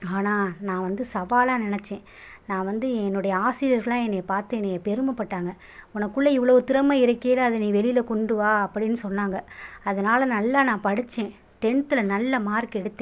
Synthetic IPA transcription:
aːnaːnãːʋɐnd̪ɯsɐʋaːlaːnɪnɛt͡ʃːẽː | nãːʋɐnd̪ɯɛnːɯɽɐjɐaːsɪjɐɾɣɐɭãːɛnːepaːɾt̪ẽnepɛɾɯmɐpːɐʈːaːŋɡɐ | ʊnɐkːɯɭːɐɪʋːɐɭɐʋɯt̪ɪɾɐmɐɪɾɯkːejɐlɐɐðɐnĩːʋɛlɪlɐkɔɳɖɯʋaːɐpːɐɽɪnːɯsɔnːaːŋɡɐɐðɐnaːlɐnɐlːaːnãːpɐɽɯt͡ʃːẽː | ʈɛɳt̪ɯlɐnɐlːɐmaːɾkɛɽɯt̪ːẽː

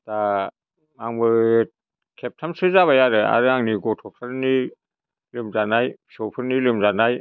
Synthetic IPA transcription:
d̥a | maŋbɯ | kʰep̚tʰamsɯzaβajaɾɯa̰ɾɯaŋniɡɔtʰɔkʰaɾni | lɯmzanajsɔpʰɯɾnilɯmzanaj

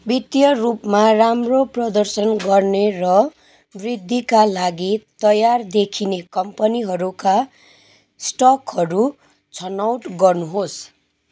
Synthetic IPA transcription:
bit̪jʌrupmaramroprʌd̪ʌrsʌnɡʌrnerʌ | brid̪ʱːikalaɡit̪ʌjard̪ekʰinekʌmpʌniɦʌɾuka | sʈʌkɦʌɾu | t͡sʰʌnawʈɡʌrnuɦos

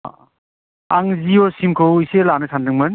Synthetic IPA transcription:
aŋziɔsimkʰɯwiselanɯsandɯŋmɯn

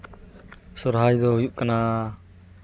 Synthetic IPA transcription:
sɔɾɦajd̪ɔɦujuʔkana

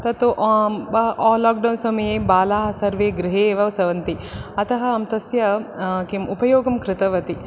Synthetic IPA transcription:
t̪ɐt̪uʔbɐʔːlaːk̚ɖɐwnsɐmɐjeːbaːlaːɦɐsɐɾʋeːɡɾɪɦeːʋɐʋsɐʋɐnt̪iɐt̪ɐɦɐːmt̪ɐsjɐkemupɐjoːɡɐmkɾɪt̪ɐʋɐt̪i

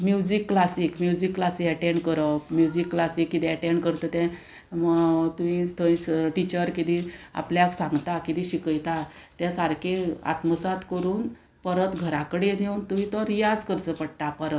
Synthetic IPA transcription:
mjud͡ʑikːlasikmjud͡ʑikːlasikɛʈeɳɖkəɾɔmjud͡ʑikːlasikːit̪ɛ̃ɛʈẽɳɖkəɾt̪ət̪ɛ̃ | mt̪umĩt̪ʰəĩsʈit͡ɕəɾkit̪ĩa̰pljaksãŋɡt̪akit̪ĩɕikəjt̪at̪asaɾkʰea̰t̪məsat̪kəɾuːn | pəɾət̪ɡʱəɾakəɽenewunt̪umĩt̪ɔɾijad͡zkəɾt͡səpəɽt̪apəɾət̪

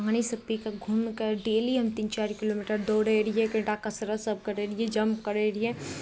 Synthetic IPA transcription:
ɦaːnisɐpːikaɡʱumkəɾɖeːliɦɐmt̪iːnt͡ʃaːɾkɪloːmiʈəɾd̪oːɽeɾiɛkə̃ʈakɐsɾasəb̚ʱkəɾeːɾiɛd͡ʒɐmp̚kəɾeɾie

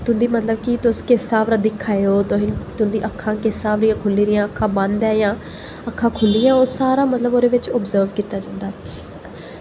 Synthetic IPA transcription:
t̪ʊnd̪iːmət̪ləb̚kɪt̪ʊskɪsaːʋɾaːd̪iːkʰːaːeoːt̪oːɦint̪ʊnd̪iːʔəkʰːãːkɪsaːʋɾɪjãːkʰʊliːɾɪjãːəkʰːãːbənd̪ɛːjãː | əkʰːãːkʰʊlːɪjãːosaːɾaːmət̪ləboːɾeːʋɪt͡ʃɔbzəːɾʋkiːt̪aːd͡ʒãːnd̪aː

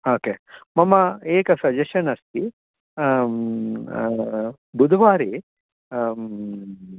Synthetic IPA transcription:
oːkemɐmɐeːkɐsɐd͡ʒɐʃɐnɐst̪ʰi | bud̪ʱɐʋaːɾi

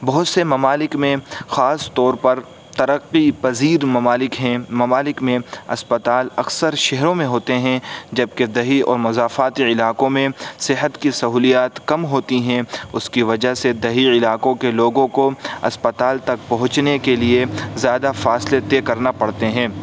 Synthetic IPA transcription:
bɐɦʊt̪semɐmaːlɪkmẽxaːst̪ɔːɾpɐɾ | t̪ɐɾəqːipɐziːɾmɐmaːlɪkɦɛ̃mɐmaːlɪkmẽɐ̰spət̪aːlɐksəɾʃɛɦɾõmẽɦoːt̪eɦɛ̃d͡ʒɐb̚ked̪ɐɦiɔ̰ːɾmʊzaːfaːt̪iɪlaːkõmẽsɪɦət̪kisɐɦuːlijaːt̪kɐmɦoːt̪iɦɛ̃ʊskiʋɐd͡ʒaɦsed̪ɐɦiɪlaːkõkeloːɡõkoɐ̰spɐt̪aːlt̪ɐkpɐɦʊ̃t͡ʃnekeliezjaːd̪afaːslet̪eːkɐɾnapɐɽt̪eɦɛ̃ː

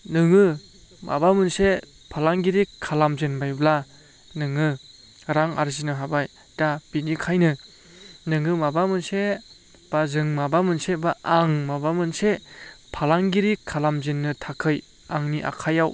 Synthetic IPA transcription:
nɯŋɯ | ma̰bamɯnse | pʰalaŋɡiɾikʰːalamzenbajbla | nɯŋɯ | ɾaŋa̰ɾzinɯɦabaj | d̥ab̥inikʰajnɯ | nɯŋɯmabamɯnse | b̥azɯŋmabamɯnsebaʔaŋmabamɯnsepʰalaŋɡiɾikʰːalamzenːɯtʰakʰɯj | aŋniʔa̰kʰajaw

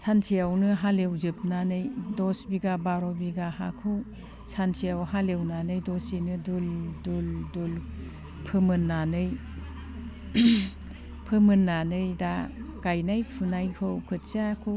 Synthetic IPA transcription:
sʰansʰijawnɯɦalewzɯp̚nanɯjdɔsbiɡabaɾɔbiɡaha̰kʰɯw | sansʰijawɦalewnanɯjdɔsinɯdulduldul | pʰɯmɯnːanɯj | pʰɯmɯnːanɯjdakajnajpʰunajkʰɯwkʰɯt̚sakʰɯ

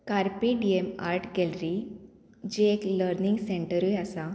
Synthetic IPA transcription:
kaɾpiɖiemaɾʈʰɡɛlɾi | d͡ʑeekləɾniŋɡsẽɳʈəɾujasa

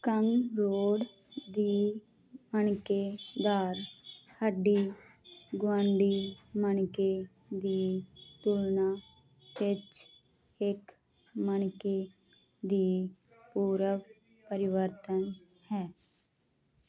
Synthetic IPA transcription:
kəŋɾoːɽ | d̪iː | məɳkeːd̪aːɾhəɖiː | ɡwãːɳɖiːməɳkeː | d̪iːt̪ulnaː | ʋɪt͡ʃ | ɪk | məɳkeː | d̪iː | puːɾəʋ | pəɾɪʋəɾt̪ən | hɛː

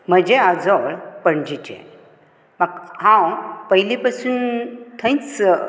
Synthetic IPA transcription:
m̤əd͡ʑead͡zɔɭpəɳd͡ʑit͡ɕḛ̃ | makhãwpəɦilipəsuːnt̪ʰə̃jt͡s

